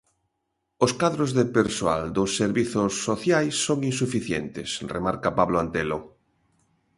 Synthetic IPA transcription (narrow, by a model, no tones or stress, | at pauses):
oskaðɾozðepeɾsoa̰ld̪osːeɾβiθosːoθjajsːoŋins̬ufiθjḛnt̪ḛsrḛmaɾkapaβloant̪elo